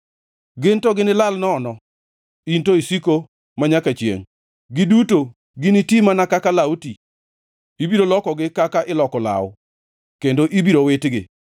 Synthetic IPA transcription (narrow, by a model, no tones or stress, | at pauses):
ɡɪntɔɡɪnɪlalnɔːnɔ | intoisiko | maɲakat͡ʃjḛŋ | ɡɪduto | ɡɪnɪtimanakakalauti | ibiɾolɔkɔɡɪkakaʔɪlɔkɔla̰wʊ | kendoʔibiɾowetɡɪ̰